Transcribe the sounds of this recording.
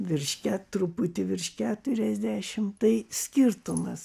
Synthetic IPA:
ʋʲɪrʃʲkʲæt̪ɾʊpʊt̪ʲɪʋʲɪrʃʲkʲæːt̪ʊɾʲɛzʲd̪ʲæːʃʲɪmt̪ɐɪsʲkʲɪrt̪ʊmɐs

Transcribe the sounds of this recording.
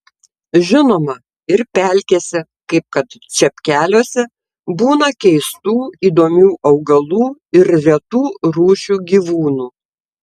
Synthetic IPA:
ʒʲɪnoːmɐ | ɪɾpʲælʲkʲeːsʲɪ | kɐɪp̚kɐt̪t͡ʃʲɛpʲkʲæːlʲoːsʲɛ | buːnɐkʲɛɪst̪uːiːd̪oːmʲuːʔɐʊɡɐlˠuːɪɾɾʲɛt̪uːɾuːʃʲuːɡʲiːʋuːnuː

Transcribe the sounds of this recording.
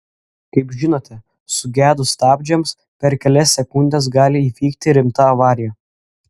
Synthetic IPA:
kɐɪpʒʲɪnoːt̪ʲɛ | sʊɡʲæːd̪ʊst̪ɑːbʲd͡ʒʲɛms | pʲɛɾkʲɛlʲɛsːʲɛkʊnʲd̪ʲɛs̬ɡɑːlʲɪifʲiːkt̪ʲɪɾʲɪmt̪ɐɐʋɑːɾʲɪjɛ

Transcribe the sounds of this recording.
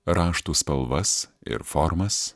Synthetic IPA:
ɾɑːʃt̪uspɐlˠʋɐsɪ̰ɾfɔɾmɐs

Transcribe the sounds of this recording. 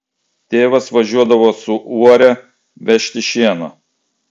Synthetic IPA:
t̪ʲeːʋɐsʋɐʒʲuɔd̪ɐʋoːsʊʔuɔɾʲɛ | ʋʲɛʃʲt̪ʲɪʃʲeːnoː

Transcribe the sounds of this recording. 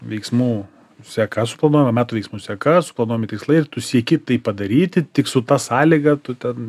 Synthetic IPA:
ʋʲɛɪksmuː | sʲɛkɐsʊ̥plˠɐnuɔjɛmɐmʲæːt̪ʊːʋʲɛɪksmuːsʲɛkɐsʊplˠɐnuɔjomɪt̪ʲɪkslˠɐɪɪrt̪ʊsʲiɛkʲɪt̪ɐɪppɐd̪ɐɾʲiːt̪ʲɪt̪ʲɪksʊt̪ɑsɑːlʲɪɡɐt̪ʊt̪ʲɛn

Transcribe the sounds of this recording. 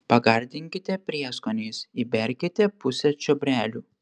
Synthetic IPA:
pɐɡɐɾʲd̪ʲɪŋʲkʲɪt̪ʲɛpʲɾʲiɛskɔnʲeːsibʲɛɾʲkʲɪt̪ʲɛpʊsʲɛt͡ʃʲɔbʲɾʲæːlʲuː

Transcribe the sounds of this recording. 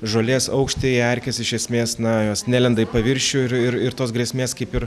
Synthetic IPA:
ʒoːlʲeːsɐʊkʃʲt̪ʲeːɛɾʲkʲɛsɪʃʲɛsʲmʲeːsnɐjoːsnʲæːlʲɛnd̪ɐɪpɐʋʲɪɾʲʃʲʊɪɾɪɾɪɾt̪oːsɡɾʲeɛsʲmʲeːskɐɪpɪɾ

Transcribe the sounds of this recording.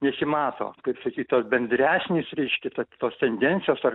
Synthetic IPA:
nʲɛsʲɪmɑːt̪o̰ːkɐɪpsɐkʲiːt̪ʲt̪oːsbʲɛnʲd̪ʲɾʲæːsʲnʲeːsɾʲɛɪʃʲkʲɛt̪ɐt̪oːst̪ʲɛnʲd̪ʲɛnʲtsʲɪjoːsɐr

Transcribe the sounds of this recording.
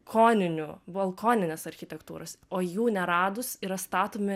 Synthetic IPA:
kʰoːnʲɪnʲuʋɐlˠkoːnʲɪnʲɛsɐɾʲxʲɪt̪ʲɛkt̪uːɾɐsoːjuːnʲɛɾɑːd̪ʊsiɾɐst̪ɑːt̪oːmʲɪ

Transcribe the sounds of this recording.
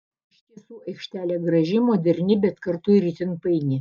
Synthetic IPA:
ɪʃʲt̪ʲiɛsuːɐɪkʃʲt̪ʲæːlʲɛːɡɾɐʒʲɪmoːd̪ʲɛɾʲnʲɪbʲɛt̪kɐrt̪ʊɪɾʲit̪ʲɪnpɐɪnʲɪ

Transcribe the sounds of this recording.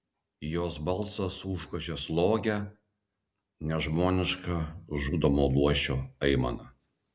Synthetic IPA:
joːsbɐlˠˑsɐsuːʃkɐʒʲeslˠoːɡʲɛ | nʲɛʒmoːnʲɪʃkɐʒuːd̪ɐmoːlˠuɔʃʲoːɐɪmɐ̰nɐ

